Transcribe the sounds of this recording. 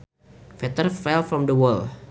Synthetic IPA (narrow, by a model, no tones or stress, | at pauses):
fɛt̪ərfɛlfɾɔ̃md̪əwəl